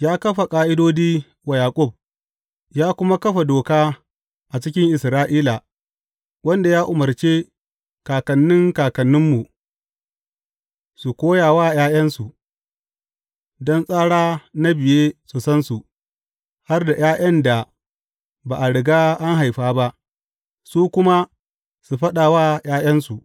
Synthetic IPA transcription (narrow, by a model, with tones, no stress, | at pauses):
jaː˦kɐ˦ɸa˨kʼaː˦ʔɪ˦doː˦diː˦ | wa˨jaː˨kʷʼʊ˦˨b̚ | jaː˦kʷʊ˦ma˦kɐ˦ɸa˨doː˨kaː˦ | ʔa˨t͡ʃɪ˦kʲɪ˦ŋʔɪ˨sɾaː˦ʔiː˦la˨ | wɐ˦nda˨jaː˦ʔʊ˨mɐ˨rt͡ʃeː˦ | kaː˨kɐ˨nːɪ˦ŋkaː˨kɐ˨nːɪ˦mːu˨ | su˨kʷoː˦jaː˨waː˦˨jaː˦jɐ˦nsu˨ʔ | dɔ˦nsʼaː˦ɽaː˦na˦bɪ˨jeː˦su˨sɐ˦nsu˨ | ha˦rda˨j̰ʔaː˦j̰ɐ˦nda˨ | baː˨ʔa˨ɽɪ˨ɡaː˦ʔa˦ŋɦa˨jɸaː˦ba˦ʔ | suː˦kʷʊ˦ma˦ | su˨ɸɐ˦ɗa˨waː˦jaː˦jɐ˦nsu˨